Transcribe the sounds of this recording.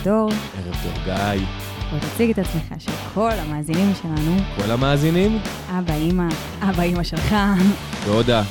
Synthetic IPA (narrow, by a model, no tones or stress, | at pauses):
do̞ʁʔeʁevd̪o̰ʁɡaj | vot̪at͡siɡet̪at͡smeχa̰ʃelkʰo̞lhamaːzinimʃe̞lanuko̞lamaːzinim | ʔabaima | ʔabaimaʃe̞lχavod̪a